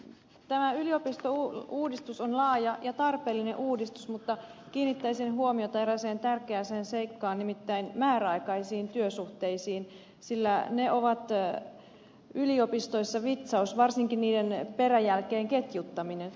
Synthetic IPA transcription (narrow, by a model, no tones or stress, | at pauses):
t̪æmæyliopist̪ouːuːdist̪usonlɑːjɑjɑt̪ɑrpeːlːineʔuːdist̪u̥smut̪ːɑ | kiːnːit̪ːæisenɦuomiot̪ɑeɾæseːnt̪ærkeæseːnse̞ikːɑːnnimit̪ːæinmæːræɑikɑisiːnt̪yøsuht̪eisiːn | silːæneoʋɑt̪ | yliopist̪o̞isːɑʋit̪sɑusʋɑrsiŋkinniːdenperæjælkeːŋke̞t̪jut̪ːɑminen